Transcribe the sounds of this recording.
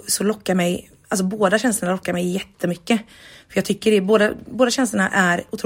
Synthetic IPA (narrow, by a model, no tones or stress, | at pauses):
sɔlɔkːaɾmɛj | als̬ɔboːd̪aɕɛnst̪əɳalɔkːaɾmɛjːɛt̪ːəmʏkːə | fœjɑɡt̪ʰʏkːəɖɛboːd̪aboːd̪aɕɛnst̪əɳaʔæɾʊt̪ʰɾuː